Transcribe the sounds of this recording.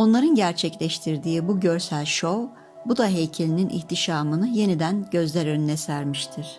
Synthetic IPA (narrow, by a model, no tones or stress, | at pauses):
o̞nlˠaɾɯnɟæɾt͡ʃʰɛclʲɛʃt̪ʰiɾd̪iːbuɟø̞ɾsælʲʃo̞ | bud̪aɦe̞jcʰelʲininʔḭçt̪ʰiʃaːmɯnɯje̞nid̪ænɟø̞zlʲæɾønynɛsæɾmiʃt̪ʰiɾ̥